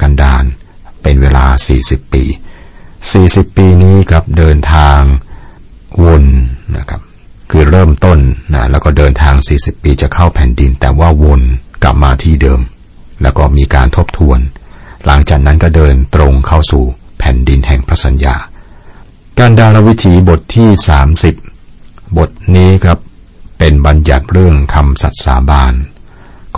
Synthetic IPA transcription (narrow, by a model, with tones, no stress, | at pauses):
ka˧ndaː˧n | pe˧nweː˧laː˧siː˨˩si˨˩pːḭː˧ | siː˨˩si˨˩pːiː˧niː˦˥kʰɾa˦˥p̚dɤː˧nt̪ʰaː˧ŋ | wo˧nːa̰˦˥˩kʰa˦˥p̚ | kʰɯː˧ɾɤː˥˩mt̪o˥˩nːa˦˥lɛː˦˥wkɔː˥˩dɤː˧nt̪ʰaː˧ŋsiː˨˩si˨˩pːiː˧t͡ɕa˨˩kʰa˥˩wpʰɛ˨˩˦ndi˧nt̪ɛː˨˩waː˥˩wo˧nkla̰˨˩p̚maː˧t̪ʰiː˥˩dɤː˧m | lɛː˦˥wkɔː˥˩miː˧kaː˧nt̪ʰo˦˥p̚t̪ʰu˧ənla˩˦ŋt͡ɕaː˨˩k̚na˦˥nkɔː˥˩dɤː˧nt̪ɾo˧ŋkʰa˥˩wsuː˨˩pʰɛ˩˦ndi˧nhɛ˨˩ŋpʰɾa˦˥sa˨˦nja̰ː˧ | kaː˧ndaː˧ɾa˧wi˦˥t̪ʰiː˩˦bo˨˩t̪ʰːiː˥˩saː˩˦msi˨˩p̚bo˨˩t̪̚niː˦˥kʰɾa˦˥pː | e˧nba˧nja˨˩t̪̚ɾɯ˥˩əŋkʰa˧msa̰˨˩t̪̚saː˩˦baː˧n | kː